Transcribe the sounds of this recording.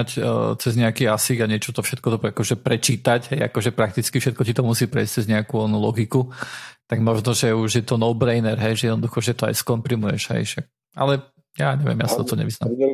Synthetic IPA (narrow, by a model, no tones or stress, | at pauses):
act͡sɛzɲɛakiːasiɡaɲɪɛt͡ʃɔt̪ɔfʃɛt̪kɔt̪ɔakɔʒɛpɾɛt͡ʃiːt̪acɦɛja̰kɔʒɛpɾak̚t̪it͡skifʃɛt̪̚kɔcit̪ɔmusiːpɾɛjst͡sɛzɲɛakuɔnulɔɡikut̪aɡmɔʒnɔʒɛuʒjɛt̪ɔnɔʊbɾɛjnɛɾɦɛjʒɛjɛd̪nɔd̪uxɔʒɛt̪ɔa̰jskɔmpɾimujɛʒ̥ɦɛ̰jʒ̥ɛ | ʔa̰lɛ | jaɲɛʋɪɛ̰mja̰sat̪ɔt̪ɔɲɛ̰ʋizna̰m